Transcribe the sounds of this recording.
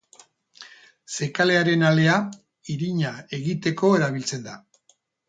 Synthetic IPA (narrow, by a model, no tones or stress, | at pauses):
se̞kale̞aɾe̞nale̞a | iɾiɲae̞ɣit̪e̞ko̞e̞ɾaβ̞ilt͡se̞nd̪a